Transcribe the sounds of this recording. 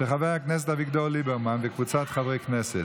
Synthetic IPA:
ʃəχavɛaknɛs̬ɛtaviɡd̪ɔlibɛɾmanvɪkvut͡satχavɛknɛsɛt

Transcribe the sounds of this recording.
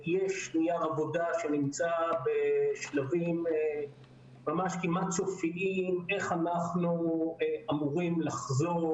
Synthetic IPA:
jeʃnijaavo̞daʃe̞nimt͡sabeʃlavim | mamaʃkimat̪t͡sofiʔime̞χanaχnu | amuʁimlaχzo

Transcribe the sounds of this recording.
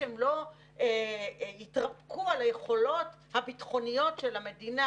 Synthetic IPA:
emlo̞ | eitʁab̚kualaje̞χo̞lo̞t | habitχo̞nijo̞tʃelame̞dina

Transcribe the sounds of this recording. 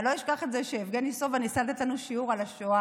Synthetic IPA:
loiʃkaχetzeʃeːfɡenisovanisalat̪et̪lanuʃiuʁalaʃoa

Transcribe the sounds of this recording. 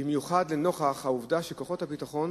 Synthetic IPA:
bimjuχadleno̞χaχhauvdaʃeko̞χo̞thapitaχo̞n

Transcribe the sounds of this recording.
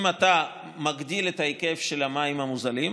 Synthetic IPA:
mata | maɡdiletaikefʃelamaimhamuzalim

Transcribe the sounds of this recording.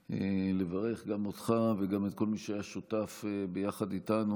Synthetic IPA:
ḛlevaʁe̞χɡamotχaveɡamet̪̚ko̞lmiʃeajaʃotafebejaχad̪itanu

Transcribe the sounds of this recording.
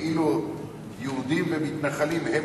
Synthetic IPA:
ʔilu | jeud̪imvemit̪naχalimhe

